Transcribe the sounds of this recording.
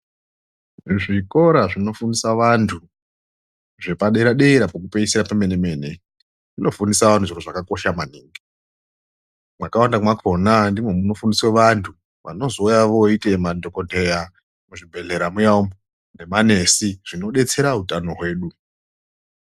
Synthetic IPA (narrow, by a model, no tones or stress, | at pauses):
ʐiko̞ɾaʐino̞fundisaʋantʰu | ʐe̞paɗeiɾaɗeiɾapok̬upeisiɾapameneme̞ːne | ʐino̞fundisaʋantʰuʐiɾoʐakako̞ʃamaniːŋɡi | mwakawandakmakʰo̞nandimwe̞muno̞fundisweʋantʰu | ʋa̰no̞zoujaʋo̞itemadʱokodʱeja | muʐibʱe̞ɮe̞ɾamujaumbo | ne̞mane̞siʐ̥ino̞ɗe̞t͡se̞ɾaɦutano̞ɦwe̞ːɗu